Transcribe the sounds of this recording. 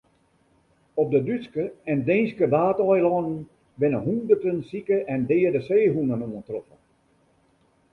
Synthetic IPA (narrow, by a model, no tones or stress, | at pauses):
ɔp̚dədyskəɛndẽːnskədaːtɔjlɔnn̩ | bɪnəɦundərtənsikəʔɛndɪːədəseːɦunənuəntrɔfə̰n